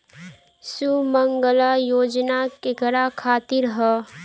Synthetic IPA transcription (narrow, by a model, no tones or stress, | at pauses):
suməŋɡəlajoːd͡ʒnakekəɾakʰaːt̪ɪɾɦɛ